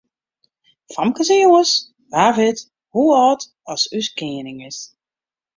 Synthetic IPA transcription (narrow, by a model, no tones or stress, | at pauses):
famkəzəjoəs | baːvɪt | huɔːt | ɔsyskɪənɪŋɪs